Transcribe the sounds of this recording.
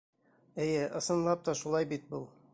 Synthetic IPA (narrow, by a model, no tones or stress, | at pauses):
ɘ̆jɘʔɤ̆sɤ̆nlˠɑp̚t̪ɒʃulˠɑjbit̪̚bulˠ